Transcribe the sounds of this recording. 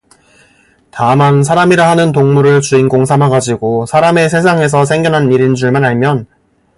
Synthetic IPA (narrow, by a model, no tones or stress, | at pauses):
tamansʰaɾamiɾaɦanɯnt̬oŋmuɾɯɭt͡ɕuinɡoŋsʰamɦaɡad͡ʑiɡosʰaɾame̞sʰe̞sʰaŋe̞s̬ʰʌsʰe̞ŋɡjʌnɦaniɾind͡ʑuɭmanɦaɭmjʌn